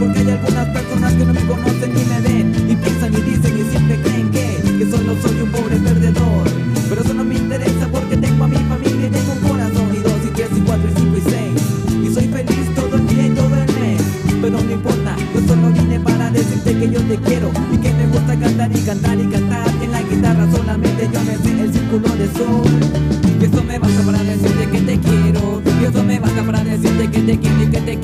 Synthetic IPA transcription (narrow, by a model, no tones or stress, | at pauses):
poɾkaʎeɾkod̪aspeɾsonaskenɐ̃mẽkõmost̪ẽnmĩmeðeipẽnsɐ̃nd̪iðisẽnisẽmp̪ɾekẽj̃ke | kesonõwsoɲũmpoβɾepeɾðeðoɾ | peɾesonɐ̃miĩnt̪eɾesɐpoɾket̪ẽŋɡʊamĩɲɐfamiljɐt̪ẽŋɡũkoɾasɐ̃w̪̃iðozit̪ɾezikwat̪ɾisĩŋkoisejsisoĩfelist̪oðẽd̪iɐẽoβɾɐ̃lẽ | peonoŋmeimpoɾt̪a | osonoβinepaɾaðesiɾt̪ekeʝot̪ekjeɾoikemeɣust̪akant̪aɾikant̪aɾikant̪aɾeŋlaɣit̪arasonamẽnt̪eʝomesiɾelsiɾkuloðeso | esomeβasapaɾaɾðesiɾt̪eket̪ekjeɾo | iest̪omeβasapaɾaɾðesiɾt̪eket̪ekjeɾt̪eket̪e